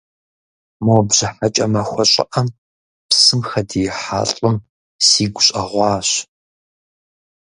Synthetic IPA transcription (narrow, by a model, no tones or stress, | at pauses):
mobʑɐħat͡ʃʼɐmɐxʷɔɕʼɪ̰ʔɐm | psɨmxɐdijɪħa̰ːɬʼɨm | siːɡʷʊɕʼɐʁʷɑːɕ